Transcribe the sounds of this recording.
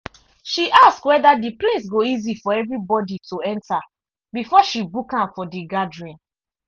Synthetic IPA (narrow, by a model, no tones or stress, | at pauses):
ʃiʔaskwɛdadiples̬ɡoizifɔɛvɹibɔdituɛ̃nta | bifɔʃibukãfɔdiɡadɹĩn